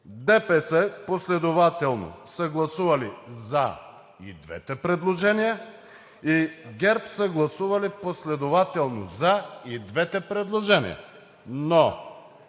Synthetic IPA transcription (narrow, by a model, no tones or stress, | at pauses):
d̪ɛpɛsɛposlɛd̪ovat̪ɛlˠno̰səɡlˠɐsuvɐliza̰ | ḭd̪vɛ̰t̪ɛpɾɛd̪lˠoʒɛnijə | iɡʲɛɾpsəɡlˠɐsuvɐliposlɛd̪ovat̪ɛlˠnozaid̪vɛt̪ɛpɾɛd̪lˠoʒɛnḭjɐ̰ | no